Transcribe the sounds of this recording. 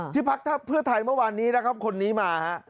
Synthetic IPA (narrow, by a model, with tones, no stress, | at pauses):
t̪ʰiː˥˩pʰa˦˥k̚t̪ʰaː˥˩pʰɯ˥˩ɐt̪ʰa˧jmɯ˥˩ɐwaː˧nːiː˦˥na˦˥kʰa˦˥p̚kʰo˧nːiː˦˥maː˧ha˦˥ʔ